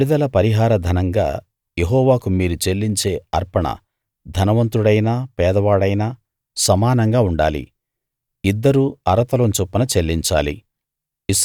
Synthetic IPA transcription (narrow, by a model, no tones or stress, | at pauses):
ɽid̪ɐlɐpɐɾiɦaːɾɐd̪ʱɐnɐŋɡa̰ː | jeɦɔːʋaːkumiːɾut͡ʃe̞lːiɲt͡ʃe̞ːɐɾpɐɳɐ̰ | d̪ʱɐnɐʋɐnt̪ɾuɽɐjnaːpɛːd̪ɐʋaːɽɐjnaː | sɐmaːnɐŋɡaːuɳɖa̰ːlḭ | id̪ːɐɾuːɐɾɐt̪ɐlont͡ʃupːɐnɐt͡ʃelːiɲt͡ʃa̰ːlḭ | is